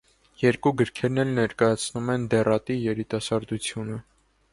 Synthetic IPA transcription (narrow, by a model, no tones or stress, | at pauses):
jɛɾkuɡəɾkʰɛɾnɛlnɛɾkɑjɑt͡sʰnumɛnd̪ɛrɑt̪ijɛɾit̪ɑsɑɾd̪ut͡sʰjunə